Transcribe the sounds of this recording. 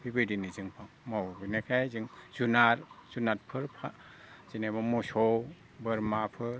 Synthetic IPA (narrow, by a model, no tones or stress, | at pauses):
bibɯdinizɯŋpʰaŋmawbinekʰajziŋz̥unaɾz̥unat̚pʰɯɾpʰa | z̥inabamɔsɔw | bɯɾmapʰɯɾ